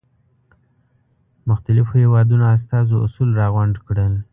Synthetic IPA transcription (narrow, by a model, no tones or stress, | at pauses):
mʊxt̪alɪfohewɑd̪unoas̬t̪ɑzoʔʊ̰sulɾɑɣwaɳɖkɽəl